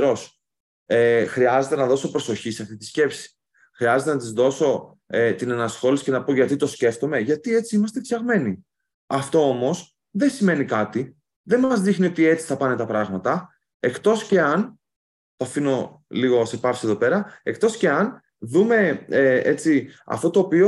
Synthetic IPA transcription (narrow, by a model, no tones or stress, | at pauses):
ɾo̞s | exɾiɐze̞t̪e̞nɐðo̞so̞pɾo̞so̞çisɐft̪it̪i̥sce̞psi̥ | xɾiɐze̞t̪enɐt̪izðo̞so̞ | et̪inɐnɐsxo̞lisi̥ce̞nɐpo̞ʝɐt̪it̪o̞sce̞ft̪o̞me̞ʝɐt̪ie̞t͡siimɐst̪efçɐɣme̞ni | ɐft̪o̞o̞mo̞s | ðe̞nsime̞nikɐt̪i | ðe̞nmɐzðixnio̞t̪ie̞t͡si̥θɐpɐne̞t̪ɐpɾɐɣmɐt̪ɐ | e̞kt̪o̞sce̞ɐn | t̪oɐfino̞ | liɣo̞se̞pɐfsie̞ðo̞pe̞ɾɐe̞kt̪o̞sce̞ɐn | ðume̞et͡siɐ̰ft̪o̞t̪o̞ːpio̞